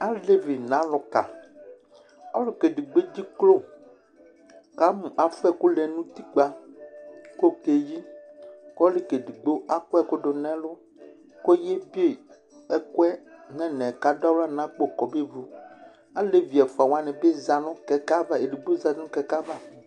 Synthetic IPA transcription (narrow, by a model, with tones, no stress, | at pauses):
a˦le˦vi˨nã˦lʊ˨ka̰˨ | ɔ˦lʊ˦ke˨ɖi˨ɡ͡be˦d͡ʑi˦klo˦˨ | ka˦mũ˨ʔa˨fɛ˦˨ku˦lɛ˨nũ˦t̪i˦k͡pa˦ | ko˦ke˨ji˦kɔ˦le˦ke˨di˨ɡ͡bo˦ʔa˦kɛ˦ko˦ɖo˨nɛ̃˦lʊ˦ | ko˦je˦bi˦e˦˨ | ɛ˦ko˦ɛ˦nɛ̃˦nɛ̃˨ka˦da˦wla˦nã˦k͡po˦˨kɔ˨be˦vu˨ | a˦le˦vi˨ɛ˨fa˨wa˦nɛ̃˨be˦za˨nɔ̃˦kɛ˨ka˦va˦e˨ɖi˨ɡ͡bo˦za˨˦nũ˦kɛ˨ka˦va˦